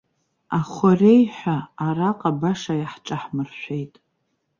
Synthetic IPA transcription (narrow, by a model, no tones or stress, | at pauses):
aχʷorejħʷᶣaːɾaqʼabaʂajaħʈ͡ʂʼaħmɨrʃʷᶣe̞jtʼ